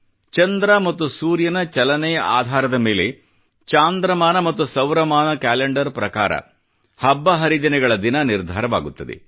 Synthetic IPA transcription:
t͡ʃɐnd̪ɾɐmɐt̪ːusuːɾjɐnɐt͡ʃɐlɐnɛjɐʔaːd̪ʱaːɾɐd̪ɐme̞ːle | t͡ʃaːnd̪ɾɐmaːnɐmɐt̪ːusɐʋɾɐmaːnɐkæːleɳɖɐɾpɾɐka̰ːɾɐ̰ | hɐbːɐɦɐɾid͡ʒ̪ɐnɛɡɐɭɐd̪inɐniɾd̪ʱaːɾɐʋa̰ːɡut̪ːɐd̪ḛ

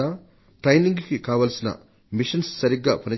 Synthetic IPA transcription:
ɐ | ʈɾɐjniŋɡkikaːʋɐlsinɐ̰ | miʃɐnsːɐɾiɡːa̰ːpɐnɐ

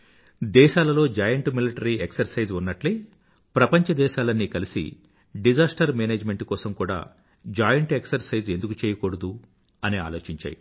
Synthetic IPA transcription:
d̪ɛːʃaːlɐlo̞ːd͡ʒaːjɐɳʈmiliʈɐɾieksɐɾsɐjd͡ʒunːɐʈli | pɾɐpɐɲt͡ʃɐd̪ɛːʃaːlɐnːikɐlisḭ | ɖid͡ʒaːsʈɐɾmeːneːd͡ʒme̞ɳʈkɔːsɐmkuːɽa̰ː | d͡ʒaːjɐɳʈe̞ksɐɾsɐjze̞nd̪ukut͡ʃeːjɐkoːɽɐd̪u | ɐnia̰ːlo̞ːt͡ʃiɲt͡ʃa̰ːji

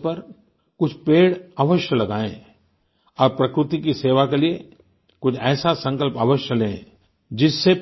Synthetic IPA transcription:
pɐɾ | kʊt͡ʃʰpeːɽəʋəʃjəlɐɡaːḛ̃ | ɔːɾpɾɐkɾʊt̪ik̬iseːʋakelie | kʊt͡ʃʰɛːsasɐ̃ŋkəlpəʋəʃjəlẽː | d͡ʒɪsːe

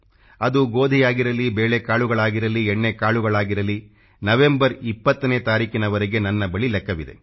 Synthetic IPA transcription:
ɐd̪uɡo̞ːd̪ʱijaːɡiɾɐlibeːɭekaːɭuɡɐɭaːɡiɾɐlieɳːekaːɭuɡɐɭaːɡiɾɐli | nɐʋe̞mbɐɾipːɐt̪ːɐneːt̪aːɾiːkinɐʋɐɾeɡe̞nɐnːɐbɐɭilɛkːɐʋid̪e̞̰

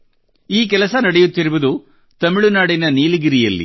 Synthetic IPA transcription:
iːk̬ɛlɐsɐnɐɽɐjut̪ːiɾuʋɐd̪u | t̪ɐmɪɭunaːɽinɐniːliɡiɾijɐlːḭ

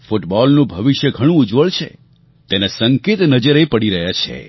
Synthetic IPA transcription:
fʊʈbɔlnũbʱəʋiʃjəɡʱəɽ̃ũʊd͡ʒʋəɭt͡ʃʰḛ | t̪enasəŋket̪nəd͡ʒəɾepəɽiɾəɦjat͡ʃʰḛ

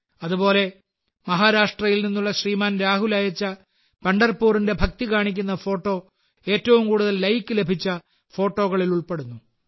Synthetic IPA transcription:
ɐðubo̞ːle̞ | mɐɦaːɾaːʂʈrɐjilninːuɭːɐɕriːmaːnɾaːɦulɐjɐt͡ɕːɐ | pɐɳɖɐrpuːrinde̞bʱɐk̚t̪ikaːɳikʲːun̪ːɐfo̞ːʈːo̞ː | e̞ːtːɐʋumkuːɽuðɐlːɐjkːɨle̞bʱit͡ɕːɐ | fo̞ːʈːo̞ːɣɐɭiluɭpe̞ɽunːu

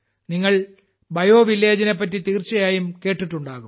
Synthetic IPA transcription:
niŋːɐɭ | bɐjo̞ːʋilːe̞ːd͡ʑɐnepːɐtːit̪iːrt͡ɕːɐjaːjumke̞ːʈːiʈːuɳɖaːɣum

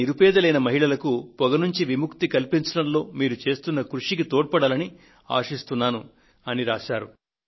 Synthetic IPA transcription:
iɾupɛːd̪ɐlɐjnɐmɐɦiɭɐlɐkupɔɡɐnuɲt͡ʃiʋimukt̪ikɐlpiɲt͡ʃɐɽɐmlo̞ːmiːɾut͡ʃe̞ːst̪unːɐkɾuʂikit̪oːʈ̚pɐɽaːlɐni | a̰ːʂist̪unːaːnu | ɐniɾaːʃaːɾu

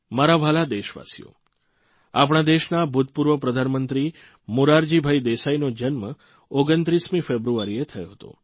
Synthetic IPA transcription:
maɾaʋalad̪eʃʋa̰sijo̰ | ap̬ɽ̃ad̪eʃnabʱut̪̚puɾʋəpɾəd̪ʱanmənt̪ɾi | muɾaɾd͡ʒibʱaid̪esainod͡ʒənmə | oɡənt̪ɾismĩfebɾuaɾiet̪ʰəjo̰ɦət̪o̰

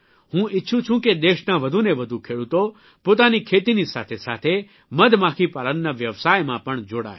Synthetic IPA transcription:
hũɪtːʃʰũt͡ʃʰũked̪eʃnaʋəd̪ʱuneʋəd̪ʱukʰeɽut̪o | pot̪anikʰet̪inisa̰t̪ʰesa̰t̪ʰe | məd̪ʱmãkʰipalənːaʋjəʋsajmãpəɳd͡ʒoːɽa̰j

